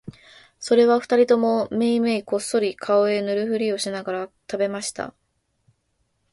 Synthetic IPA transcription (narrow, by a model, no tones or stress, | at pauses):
so̞ɾe̞β̞aɸɯ̟t̪aɾʲit̪o̞mo̞me̞imeiko̞sːo̞ɾʲikʰao̞e̞nɯ̟ɾɯ̟ɸɯ̟ɾʲio̞ɕinaɡaɾat̪abe̞maɕi̥t̪a̰